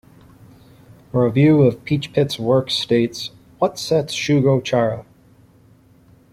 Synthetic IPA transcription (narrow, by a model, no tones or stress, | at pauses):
fə˞ɨvjʉʌv̥pʰit͡ʃpʰɪtswɜ˞ksteɪts | wʌtsɛtsʃʉɡoʊt͡ʃʰɑɹə